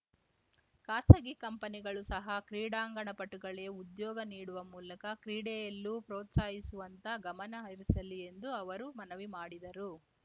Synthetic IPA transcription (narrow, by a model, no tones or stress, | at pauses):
kaːsɐɡikɐmpɐniɡɐɭusɐɦɐkɾiːɽaːŋɡɐɳɐpɐʈːuɡɐɭeud̪jɔːɡɐniːɽuʋɐmuːlɐkɐkɾiːɽɛjɐlːupɾoːt̪saːjisuʋɐnt̪ɐɡɐmɐnɐɦɐɾisɐlːie̞nd̪uɐʋɐɾumɐnɐʋimaːɽid̪ɐɾu